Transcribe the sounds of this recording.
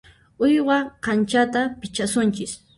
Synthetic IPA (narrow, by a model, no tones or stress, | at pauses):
ʊjɢɑqɑnt͡ʃat̪apɪt͡ʃasʊnt͡ʃɪs